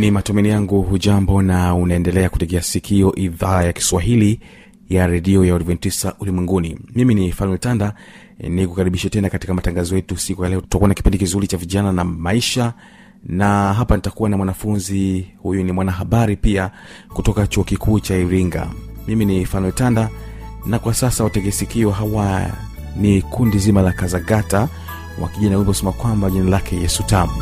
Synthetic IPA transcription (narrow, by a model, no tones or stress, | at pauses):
nimatumɛnijaŋɡuɦuʄambɔnaunaɛndɛlɛakutɛkɛasikʰiɔʔiðaːjaki̥swaɦili | jaɾɛɗiɔjaɔɾivɛntisaʔulimwɛŋɡunimiminifanwɛltanda | nikukaɾiɓiʃɛtɛnakati̥kamataŋɡazɔjɛtusikujalɛɔtu̥takuanaki̥pindikizuɾit͡ʃaviʄananamaiʃa | naɦapanitakuwanamwanafunzihujunimwanaɦaɓaɾipiakutɔkat͡ʃuɔkikʰuːt͡ʃaiɾiŋɡa̰miminifanwɛltandanakwasasawataɡɛsikiwɔɦawa | nikʰundizimalakazaɡata | wʔa̰kiʄanawimbikusɛmakwambaʄinalakɛjɛsutamu